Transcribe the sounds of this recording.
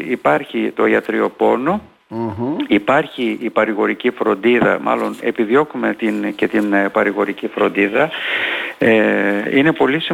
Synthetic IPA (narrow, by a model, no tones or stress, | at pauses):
ipɐɾçit̪o̞iɐt̪ɾio̞po̞no | ipɐɾçiːpɐɾiɣo̞ɾicifɾo̞nd̪iðɐ̰mʔɐ̰lo̞ne̞piðio̞kume̞t̪ince̞t̪inpɐɾiɣo̞ɾicifɾo̞nd̪iðɐ | eine̞po̞lisi